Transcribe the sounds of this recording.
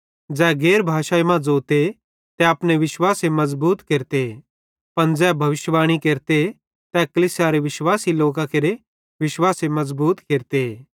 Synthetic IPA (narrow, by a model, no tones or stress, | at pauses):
d͡zɛːɡeːɾbʱaːʃaːjmãd͡zoːt̪e | t̪ɛɐpneʋɪʃwaːsemɐzbuːt̪keːɾt̪e | pɐnd͡zɛːbʱɐʋɪʃʋaːɽ̃ikeːɾt̪e | t̪ɛkɐlisjaɾeʋɪʃwaːsiloːkãkeɾe | ʋɪʃwaːsemɐzbuːt̪keːɾt̪eː